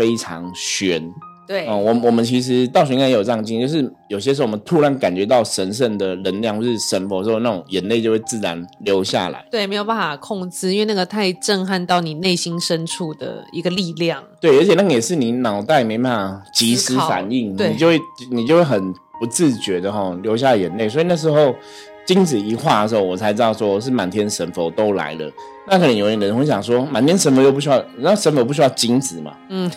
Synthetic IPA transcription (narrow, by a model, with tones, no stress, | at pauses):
fe˥ɪʈ͡ʂʰɑ̰˧˦ŋɕɥɛ˧˥nt̪we˥˩˥wɔ˨˩mənwɔ˨˩mə˦nt͡ɕʰi˧˥ʂ̬ɻ̩˧˦t̪ɑ˥˩ʊɕ̬y˧˦ka˥˩jo˨˩ʈ͡ʂɑ˥˧˩t͡ɕi˥˧˦t͡ɕo˥˧ʊʂɻ̩˥˩jo˨˩ʊɕjɛ˦˥s̬ʂ̩˧˥˩ɔ˨mə˦nt̪ʰu˧˥ɻa˧˦nka˨˩nt͡ɕɥɛ˧˥t̪ɑ˥˩ʊʂə˧˥nʂ̬ə˥˩nd̪ə˩ɻə˧˥nlja˥˧ŋxwu˥˧˩ʂɻ̩˥˩ʂə˧˥nf̩˨˧˥na˥˩ʊ˨˩ŋjə˨˦nle˥˩ɪt͡ɕo˥˧ʊwe˥˧t͡sɹ̩˥˩ɻa̰˧˦nljo˧˦ʊɕja̰˥˩la̰˧˦ɪwe˥˩ɪme˧˥ɪjpa˥nfa˨˩kʰɔ˥˧˩ŋt͡sɹ̩˥i˥nwe˥˧na˥˩ɡə˨˩t̪ʰa˥˧ɪʈ͡ʂə˥˧ŋxa˥˧nt̪ɑ˥˩ʊni˨˩ne˥˩ɪɕi˥nʂə˦nʈ͡ʂʰu˥˩d̪ə̰˩ḭ˧˥ɡə˧li˥˧ljɑ˥˩ŋt̪we˥˩ɪə˧˥t͡ɕʰjɛ˨˩na˥˩ɡə˨˩jɛ˨˩ʂɻ̩˥˩ni˨˩nɑ˨˩ʊt̪a˥˩ɪme˧ɪpa˥na˨˩ŋt͡ɕi˧˥ʂɹ̩˥fa̰˨˩˦ni˥˩ŋwe˥˩i˨t͡ɕjo˥˧ʊwe˥˩ni˨˩t͡ɕjo˥˧ʊwe˥˩ɪxə˨˩n | pu˧˦t͡sɹ̩˥˨t͡ɕɥɛ˧˥d̪ə˨xɔ˥˧ljo˧˥ʊɕja˥˩lə˨˩jə˧˦nle˥˩ɪswɔ˧˥i˨˩na˥˩ʂ̬ɻ̩˧˥xo˥˧ʊ | t͡ɕi˦˥ŋt͡sɹ̩˨˩i˧˥xwa˥˩ə˩ʂ̩˧˥xo˥˩wɔ˨˩t͡sʰa˧˥ɪt͡sɻt̪ɑ˥˩ʊʂwɔ˥ɔ˨˩ʂ̬ɻ̩˥˩ma˨˩nt̪ʰjɛ˥nʂə˧˥nfo˧˩ʊt̪o˥ʊla̰˧˥ɪlə̰˨ | na˥˩kʰnə˧˩jo˧˥ʊ˧˨˧ə˧˥˧ɕjɑ̰˨˩ŋʂ̬wɔ˦˥ma˨˩nt̪ʰjɛ˥nʂ̬ə˧˥nfo˧ʊt͡ɕo˥˧pu˧ɕy˥jɑ˥˧ʊ˨˩a˥˩ʂə˧˦nfo˧ʊpu˥˧ɕ̬y˥jɑ˥˧˩ʊt͡ɕi˥ŋt͡sɹ̩˨˩ma̰˩n̩˥˩